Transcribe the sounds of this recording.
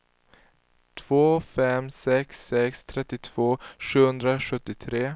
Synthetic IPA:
t̪ʰv̥oːfɛmsɛksːɛkst̪ʰɾɛt̪ːɪt̪ʰv̥oːʂʉ̟hɵnd̪ɾaɧɵt̪ːɪt̪ʰɾeː

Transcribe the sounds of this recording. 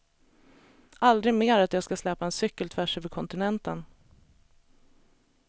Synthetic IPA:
ʔald̪ɾɪɡmeːɾat̪jɑːɡskaslɛːpaɛnsʏkːəlt̪ʰvæʂʉːvəɾkʰɔnt̪ɪnɛnt̪ən

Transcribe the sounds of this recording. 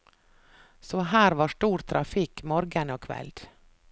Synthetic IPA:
sɔhæːɾʋɑːʂʈuːɾt̪ʰɾʔɑ̰fɪkmoːɾɡənoːkʰʋɛ̰ld̪̥

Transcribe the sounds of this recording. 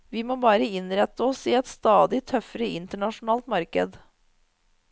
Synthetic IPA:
ʋɪmoːbɑːɾəɪnɾɛt̪ːəɔsɪɛt̪st̪ɑːd̪ɪt̪ʰœfəɾəʔɪnt̪əɳɑʂʊnɑːlt̪mɑɾkə̰d̪

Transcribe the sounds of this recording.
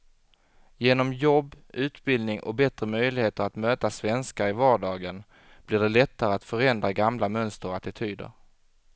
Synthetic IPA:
jeːnɔmjɔbː | ʉ̟ːt̪bɪld̪nɪŋʔɔ̰bɛt̪ɾəmœjlɪheːt̪əɾat̪møːt̪asvɛnskaɪvɑːɖɑːɡən | b̥lɪɖɛlɛt̪ːaɾəat̪fœɾɛnd̪ɾaɡamlamœnst̪əɾat̪ɪt̪ʰyːd̪ə̰ɾ

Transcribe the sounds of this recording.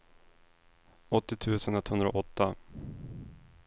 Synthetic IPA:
ɔt̪ːɪt̪ʰʉ̟ːsənɛt̪hɵnd̪ɾa̰ʔɔt̪ːa

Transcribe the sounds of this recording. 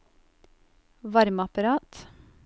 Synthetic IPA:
ʋɑɾmɑpɑɾɑːt̪

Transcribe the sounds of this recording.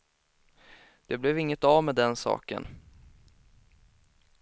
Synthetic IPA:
d̪̥ɛblɛvɪŋːət̪avmɛd̪ɛnsɑ̰ːkə̰n

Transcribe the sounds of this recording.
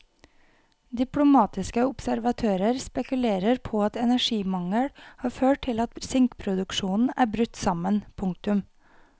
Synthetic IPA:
d̪ɪplʊmɑːt̪ɪskəʊpsæɾʋɑt̪ʰøːɾəɾspɛkʉleːɾəɾpʰoːɑt̪ɛnæʂiːmɑŋəlhɑːɾføːʈ̚ʈʰɪlɑt̪sʏŋkpʰɾʊd̪ʉkʃuːnn̩æːbɾʉt̪ːsɑmənpʰʊŋk̚t̪ʉm

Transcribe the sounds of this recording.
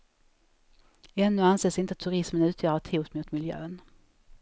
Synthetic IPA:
ɛnːɵanseːsɪnt̪əat̪ʰːɵɾɪsmənʉ̟ːt̪ʰjœːɾaʈʰuːt̪mʊt̪mɪljø̰ːn

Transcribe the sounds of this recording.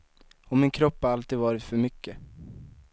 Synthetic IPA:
ɔmɪnkʰɾɔpːhaɾalt̪iːd̪vɑːɾɪt̪fœɾmʏkːə

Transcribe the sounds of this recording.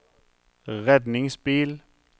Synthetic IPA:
ʁɛd̪nɪŋsb̥il

